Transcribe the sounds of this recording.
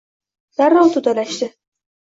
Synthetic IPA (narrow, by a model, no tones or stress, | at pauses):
d̪̥aɾːɒwt̪ʰʊd̪alaʃd̪ɪ